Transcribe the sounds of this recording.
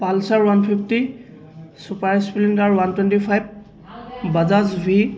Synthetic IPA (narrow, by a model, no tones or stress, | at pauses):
palsaɹwanpʰipʰti | supaɹspiliŋɡaɹwantwɛntipʰajb̚ | bazazbʱi